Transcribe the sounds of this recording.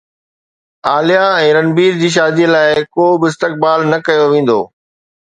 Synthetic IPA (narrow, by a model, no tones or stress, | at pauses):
aːlijãɛ̃ːɾɐnbiːɾd͡ʑiːʃ̬aːd̪iəlaːɪkoːbɪɪst̪ɪk̚baːlnɐkɐjoʋẽːn̆d̪o̰ː